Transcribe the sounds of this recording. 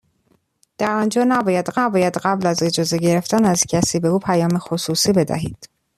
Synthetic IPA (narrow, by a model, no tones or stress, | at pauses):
d̪̥æɾɒːnd͡ʒɒːnæbɒːjæd̪ɢæbɒːjæd̪ɢæblæze̞d͡ʒɒːze̞ɟe̞ɾe̞ft̪ænæzcʰæsiːbe̞uːpʰæjɒːmexosuːsiːbe̞d̪æ̰ɦiːd̪̥